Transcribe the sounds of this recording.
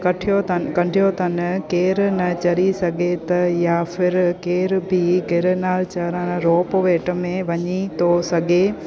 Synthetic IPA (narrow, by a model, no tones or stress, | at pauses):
kɐʈʰijot̪ɐkɐɳɖʱijot̪ɐn̆keːɾnɐt͡ɕɐɾisɐɡʱet̪ɐjaːfɪɾkeːɾbʱiɡʱɪɾnaːlt͡ɕɐɾanɾoːpʋeːʈmẽʋɐɲit̪ʰosɐɡʱe